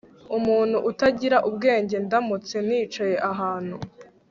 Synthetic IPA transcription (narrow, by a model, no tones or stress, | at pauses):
umuːn̥huʔːtaɟiɾaʔubɡe̞ːɲɟe̞ndamut͡se̞niːt͡ʃaje̞ʔaɦaːn̥hu